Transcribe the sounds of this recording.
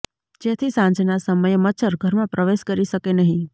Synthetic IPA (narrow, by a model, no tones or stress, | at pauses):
d͡ʒet̪ʰisãɲd͡ʒnasəməjmət͡ʃʰəɾɡʱəɾmãpɾəʋeʃkəɾiʃəkenəɦĩ